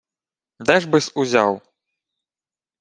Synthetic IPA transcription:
d̪ɛʐbɨsuzʲaw

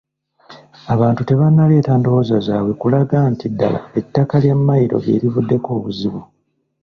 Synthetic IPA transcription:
aβaːntute̞βanːale̞ːtando̞wozazaːwe̞kulaɡantidːa̰la̰e̞tːakaljamːajiɾo̞̰ɡe̞̰ːɾivudːe̞ko̞ːβuziβu

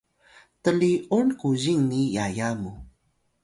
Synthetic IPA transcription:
təlionkuʑiŋnijajamu

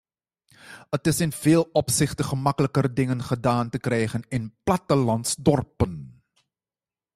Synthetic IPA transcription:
ətɪsɪnv̥ɪːlˠɔpsɪχtəχəmɑkələkərdɪŋənχədaːntəkrɛjχənɪnplɑtəlɑntsdɔrpən

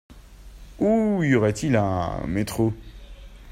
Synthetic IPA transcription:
uɔʁɛt̪ilɛ̰̃met̪χo

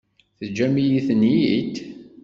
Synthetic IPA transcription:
θəd͡ʒːæmijiθənjid̪

